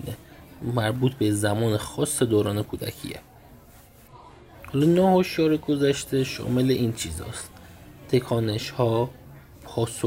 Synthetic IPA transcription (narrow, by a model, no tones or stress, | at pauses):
nemæɾbuːt̪ʰbezæmɒːnexɒːsːed̪oːɾɒːne̞kʰuːd̪æ̰kʰḭːḛ | hɒːlɒːnɒːhoʃjɒːɾeɡozæʃt̪eʃɒ̰ːme̞le̞ʔiːnt͡ʃʰiːzɒ̰ːst̪t̪ʰe̞kʰɒːne̞ʃhɒː | pʰɒːso